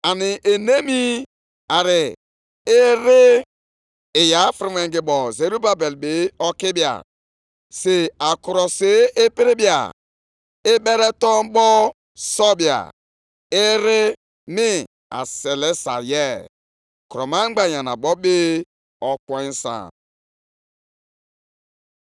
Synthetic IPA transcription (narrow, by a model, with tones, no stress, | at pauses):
a˨ni˨ʔe˨ne˦mi˦ | a˨ɾɪ˨ | ɪ˦ɾɪ˦˨ | ja˨˦fɾi˦me˨ŋɡi˨bɔ˨ze˨ɾu˦ba˨be˨lbe˨˦ɔ˦ki˦bi˦˨a̰˨ | se˨a˨ku˨ɾɔ˨se˦e˦pi˦ɾi˦bja̰˨ | e˦be˦ɾe˦tɔ˦bɔ˦ | sɔ˦bja̰˨ | ɪ˦ɾɪ˦ | mi˦ | a̰˨se˨le˦sa̰˨je˦ | ku˨ɾɔ˨ma˦ŋ͡m̩˦ɡ͡ba˨ja˨na˨ɡ͡bɔ˦be˦ | ɔ˨kɔ˦i˦sã̰˨